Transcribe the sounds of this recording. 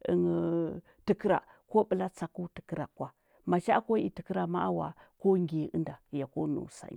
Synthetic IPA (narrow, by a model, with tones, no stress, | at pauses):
ə̰˨ŋ˨ | ti˨kə˦ɾa̰˨ | ko˦bə˨la˦t͡sa˨ku˦ti̥˨kə˦ɾa̰˨kwa˨ | ma˨t͡ʃa˦a˦ko˦i˨ti˨ki˦ɾa˨ma˦a˦wa̰˨ko˦ŋɡʲe˨˦ʔə˦nda˨ja˨ko˦nṵ˨sa̰˨ḭ˦